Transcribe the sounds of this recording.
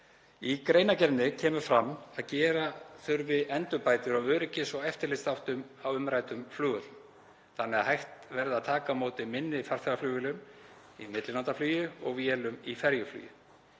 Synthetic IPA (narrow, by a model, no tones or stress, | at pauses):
ikɾejnacɛɾnnɪcʰɛːmʏfɾamːaðcɛːɾaθʏɾvɪðɛnt̪ʏpaːjt̪ɪɾawœːɾɪcɪsɔɛft̪ɪɾlɪst̪awht̪ʏm | awʏmɾajt̪ʏmflʏːɣʏt̪m | θanːɛaðhajht̪vɛɾðaðt̪ʰaːkamoːwt̪ɪmɪnːɪfaɾ̥fɛɾaflʏːɣʏlʏm | imɪt̪lɪlant̪aflyːjʏɔɣvjɛːlʏmifɛɾjʏfly̰ːjʏ̰